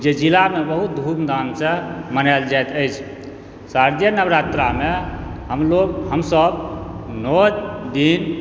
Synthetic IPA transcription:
d͡ʒed͡ʒilamebəɦut̪̚d̪ʱumd̪ansẽmənald͡ʒajt̪əɪt͡ʃʰ | saɾd̪jənəbɾat̪ɾameɦəmloɡɦəmsəbnod͡ʒd̪in

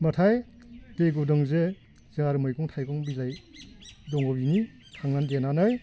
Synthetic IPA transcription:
matʰaj | teɡudɔŋze | z̥ɯŋaɾɯmɔjkɔŋtʰajkɔŋbilaj | dɔŋɔbini | kʰaŋnandenanaj

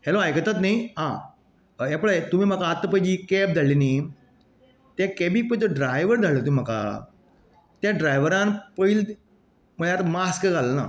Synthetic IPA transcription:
heloajkət̪at̪̬naɦã | ɛpɭət̪um̤iːm̤əkaːt̪ːəpəjd͡ʑiːkɛp̚d͡z̪ʱalini | t̪jakɛbiːk̚pəjt̪əɖɾajʋəɾd͡zʱalət̪umim̤aka̰ | t̪jãɖɾajʋəɾãnpəil | məɭjat̪maskəɡʱaləna̰

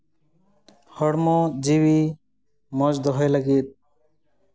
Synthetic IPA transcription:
hɔɽmɔd͡ʒiwi | mɔd͡ʒd̪ɔɦɔjlaɡit̪̚

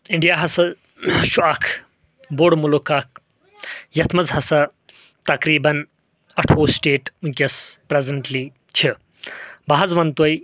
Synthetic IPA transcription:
iɳɖijaːɦɐsɐ | ʃuaːkʰ | boːɽmulukaːk̚ʰ | jɐt̪ʰmɐzɦɐsɐ | t̪ɐkɾiːbɐn | ɐʈʰoːsʈeːʈũnkʲɐspɾezɐɳʈliː | t͡ʃʰi | baɦɐzʋɐnt̪oj

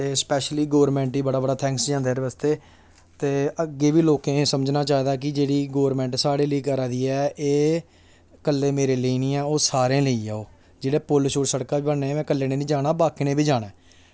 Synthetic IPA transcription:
t̪eːspɛːʃliːɡoːəɾmɛ̃ːɳʈiːbəɽaːbəɽaːt̪ʰɛ̃ːŋksd͡ʒãːnd̪eɛːɾʋəst̪eː | t̪eːəɡeːʋiːloːkẽːsəməd͡ʒnaːt͡ʃaːd̪aːk̬ɪd͡ʒeːɽiːɡoːɾmɛ̃ːɳʈsaːɽeːləiːkəɾaːd̪iːɛːʔeː | kəlːeːmeːɾeːləiːnĩːɛːoːsaːɾẽːləiːaːoː | d͡ʒeːɽeːpʊlʃoːʈsəɽkaːbiːbənːeːmɛ̃ːkəlːeːneːnĩːd͡ʒaːnaːbaːkiːneːbiːd͡ʒaːɽ̃aː

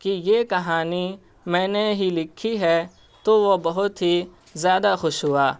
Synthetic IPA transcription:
kijeːkɐɦaːni | mɛ̃ːneɦilɪkʰːiɦɛ | t̪oʋobɐɦʊt̪ɦi | zjaːd̪axʊʃɦʊaː

